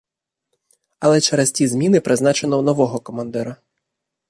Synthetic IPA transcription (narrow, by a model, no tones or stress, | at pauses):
ɐlˠɛt͡ʃɛɾestʲizmʲinɪpɾɪznɑt͡ʃenɔwnɔʋɔɦɔkɔmɐnd̪ɛɾʊ